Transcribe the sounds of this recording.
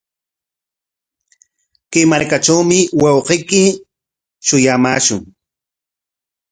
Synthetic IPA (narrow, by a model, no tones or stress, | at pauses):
kemaɾkaʈ͡ʂawmɪwɑwqejkɪ | ʃʊjamaːʃʊŋ